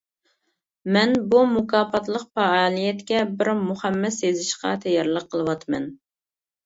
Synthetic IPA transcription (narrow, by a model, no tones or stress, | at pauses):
mɛnbumukʰɑːpʰɑt̪lˠəqpɑɑːlˠijɛt̪kʲɛbɪɾmuχɛmːɛsːezɪʃqɑ̰t̪ʰɛjɑɾlˠəqʰːəlˠɨwɑt̪mɛ̰n